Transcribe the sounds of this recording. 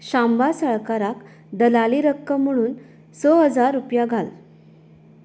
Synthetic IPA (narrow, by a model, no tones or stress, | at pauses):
ɕambasəɭkaɾak | d̪əlaliɾəkːəm̤əɽ̃uːn | sɔɦəd͡zaɾːupjaɡʱal